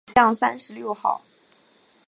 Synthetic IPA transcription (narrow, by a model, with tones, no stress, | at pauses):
ɕjɑ˥˩ŋsa˥nʂɻ̩˧˥ljo˥˧ʊxɑ̰˥˩ʊ